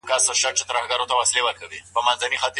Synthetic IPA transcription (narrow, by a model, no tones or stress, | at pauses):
kasəʃaɾt͡ʃet̪ɾahɡaɾot̪awaslewəɾkawipəmanzanixat̪